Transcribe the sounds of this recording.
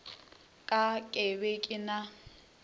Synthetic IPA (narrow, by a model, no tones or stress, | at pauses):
kʼakʼebekʼɪna